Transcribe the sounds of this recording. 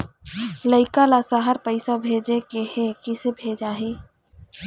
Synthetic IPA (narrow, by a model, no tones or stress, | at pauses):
ləɪkalasaɦəɾpəɪsabʱeːd͡ʒekehekɪsebʱeːd͡ʒaɦeː